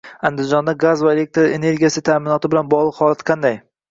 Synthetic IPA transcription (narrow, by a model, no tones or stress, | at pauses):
and̪ɪzd͡ʒɒnd̪aɡazvae̞le̞k̚t̪ɾḛne̞ɾɡʲijasɪt̪ʰaːmɪnɒt̪ʰɪbɪlanbɒʁlˠɨqhɒlat̪qʰɑnd̪aj